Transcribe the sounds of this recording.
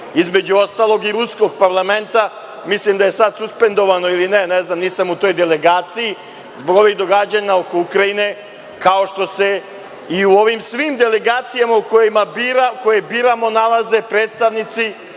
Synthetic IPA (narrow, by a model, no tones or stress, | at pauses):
izme̞d͡ʑuo̞st̪aːlˠo̞ɡiɾusko̞ɡpaɾlame̞nt̪a | mislimd̪aje̞sad̪suspe̞nd̪o̞ʋano̞ilineneznamniːsamut̪o̞ːjd̪ele̞ɡaːt̪siji | zbo̞ɡo̞ʋiɣd̪o̞ɡad͡ʑaɲao̞ko̞ukɾajine̞ | kao̞ʃt̪o̞se̞ | iuo̞ʋimsʋimd̪e̞le̞ɡaːt̪sijamauko̞jimabiɾakojebiːɾamo̞nalˠaze̞pɾeːt̪st̪aʋnit̪si